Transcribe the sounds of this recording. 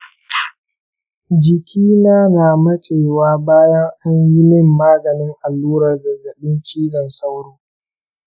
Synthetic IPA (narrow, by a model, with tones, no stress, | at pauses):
d͡ʒɪ˨kʲʰiː˦naː˦naː˨mɐ˦t͡ʃʼeː˨waː˦baː˦jɐ˦ŋʔa˦ɲji˦mɪ˦mːaː˦ɡɐ˨nɪ˦ŋʔa˨lːuː˦ɾɐ˨rɡɐ˨rɡɐ˨ɗɪ˦ŋt͡ʃʲiː˦d͡ʒɐ˨nsa˦wɽoː˦